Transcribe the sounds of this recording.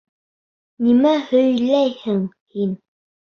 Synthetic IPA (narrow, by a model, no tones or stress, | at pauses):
nimæhɵ̆jlæjhɘŋ | hin